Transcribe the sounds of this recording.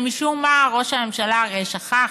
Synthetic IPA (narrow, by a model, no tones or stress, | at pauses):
miʃummaaʁoʃaemʃalaʁeʃaχa